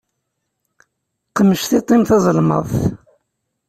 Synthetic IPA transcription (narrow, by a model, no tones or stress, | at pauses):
qəmːəʃθit̪ˤːimθɑzˤəlmə̰ðˤθ